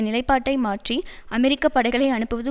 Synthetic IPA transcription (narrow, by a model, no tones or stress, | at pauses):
nɪlɐɪpːaːʈːɐɪmaːʈriʔɐmɛɾɪkːɐpːɐɽɐɪɣɐɭɐɪɐɳɯpːɯʋɐðɯ